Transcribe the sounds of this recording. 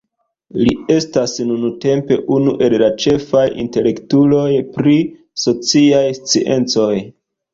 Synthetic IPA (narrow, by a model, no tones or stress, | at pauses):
lie̞stasnunute̞mpe̞ʔunuʔe̞llat͡ʃe̞fajḭnte̞le̞ktulo̞jpɾi | so̞t͡siajst͡sḭʔe̞̰nt͡so̞j